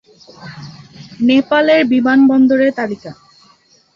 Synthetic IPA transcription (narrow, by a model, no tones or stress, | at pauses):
nepaleɾbimanbɔnd̪oɾeɾt̪alika